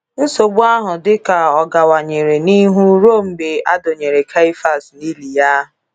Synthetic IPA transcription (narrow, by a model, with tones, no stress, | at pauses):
n̩˦so˨ɡ͡bu˦a˦ɦʊ˨dɪ˦ka˨ɔ˨ɡa˨wa˨ɲe˨ɾe˨ni˦ɦu˦ɾo˦˨m̩˦be˨a˦do˨ɲe˨ɾe˨kʰa˦i˦fa˦˨sni˦li˨ja˦ɦʊ˨